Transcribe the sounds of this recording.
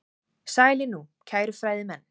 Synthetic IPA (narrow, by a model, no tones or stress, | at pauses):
saːjlɪnucʰaːjɾʏfɾaːjðɪmɛnː